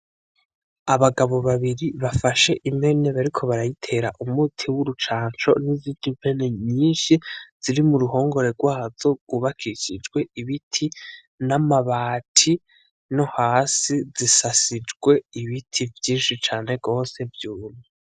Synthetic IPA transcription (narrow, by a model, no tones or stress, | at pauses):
aβaɡaβo̞βaβiɾiβafaʃe̞ʔimhe̞ne̞βaɾikʰo̞βaɾajitʰe̞ɾaʔumutʰiwuɾut͡ʃaːnt͡ʃo̞̰niziːndiɱve̞ne̞ɲiːnʃiz̥iɾimuɾuho̞ːŋɡo̞ɾe̞ɡwaːz̥o̞ɡ̥uβakʰiʃid͡ʒɡwe̞iβitʰi | namaβaːtʰi | no̞haːsizisasid͡ʒɡwe̞iβitʰivjiːnʃit͡ʃaːne̞ɡo̞ːse̞vjuːnu